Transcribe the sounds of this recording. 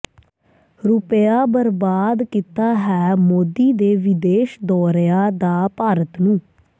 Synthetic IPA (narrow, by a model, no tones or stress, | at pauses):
ɾʊpjaːbəɾbaːd̪kit̪aːɦɛːmoːd̪iːd̪eːʋɪd̪eːʃd̪ɔːɾjaːd̪aːpaːɾət̪nũː